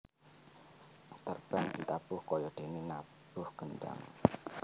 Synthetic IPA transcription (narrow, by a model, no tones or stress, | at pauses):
t̪ərb̥and̪̥i̤t̪ab̥ʊhkɔjɔd̥enena | b̥ʊhɡ̥ənɖa̰ŋ